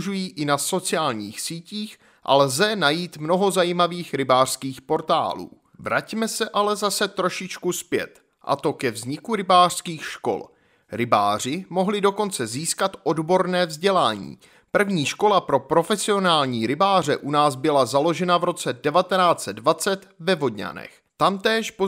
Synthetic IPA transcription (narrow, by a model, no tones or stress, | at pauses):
ʒujiːʔɪnaso̞t͡sɪaːlɲiːxsiːciːx | ʔa̰lzɛnajiːt̪mno̞ɦo̞zajiːmaviːxɾɪbaːr̥skiːxpo̞ɾt̪a̰ːlṵː | vɾacmɛsɛʔalɛzasɛt̪ɾo̞ʃɪt͡ʃkuspjɛ̰t̪ | ʔa̰t̪o̞kɛvzɲɪkuɾɪbaːr̥skiːxʃko̞̰l | ɾɪba̰ːr̝ɪmo̞ɦlɪdo̞ko̞nt͡sɛziːskat̪ʔo̞dbo̞ɾnɛːvzɟɛlaːɲḭː | pr̩vɲiːʃko̞lapɾo̞pɾo̞fɛsɪo̞naːlɲiːɾɪbaːr̝ɛʔunaːzbɪlazalo̞ʒɛnavɾo̞t͡sɛdɛvat̪ɛnaːt͡sɛdvat͡sɛt̪vɛvodɲa̰nɛ̰x | t̪amt̪ɛːʃpo